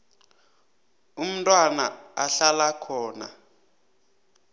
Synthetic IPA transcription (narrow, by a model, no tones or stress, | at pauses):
um̩tʼwana̰aɬalakʰɔːna̰